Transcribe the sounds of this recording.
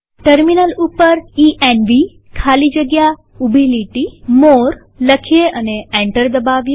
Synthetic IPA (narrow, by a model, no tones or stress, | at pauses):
ʈəɾminəlupəɾiʔenʋi | kʰalid͡ʒəɡja | ubʱiliʈimoɾ | ləkʰijeəneɛ̃ɳʈəɾd̪əbaʋje